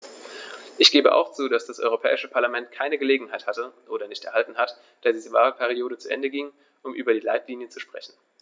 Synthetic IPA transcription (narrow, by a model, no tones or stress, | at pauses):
ʔɪçɡ̥eːbəʔa̰ʊxt͡suːdasd̥asʔɔ̰ʏʁ̞opʰɛ̰ːɪʃəpʰaɐlamɛnt̚kʰaɪnəɡəleːɡŋ̩haɪthatəʔoːɾɐnɪçtɛɐhaltn̩hat | d̥eːɐziːzəvaːʁəpʰɛʁioːɾət͡suʔɛ̰ndəɡɪŋ | ʔʊmʔyːbɐdiːlaɪtliːnjət͡suʃpʁ̥ɛçn̩